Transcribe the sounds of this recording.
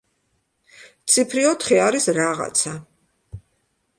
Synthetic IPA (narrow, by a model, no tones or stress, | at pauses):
t̪sʰipʰɾiɔt̪χiaɾisɾaʁa̰t̪sʰa